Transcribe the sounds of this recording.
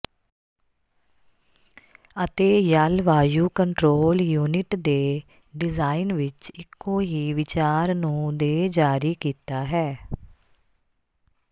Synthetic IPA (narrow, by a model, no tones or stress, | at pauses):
ət̪eːjalʋaːjuːkəɳʈɾoːljuːnɪʈd̪eː | ɖɪzaːinʋɪt͡ʃɪkːoːɦiːʋɪt͡ʃaːɾnũːd̪eːd͡ʒaːɾiːkiːt̪aːɦɛː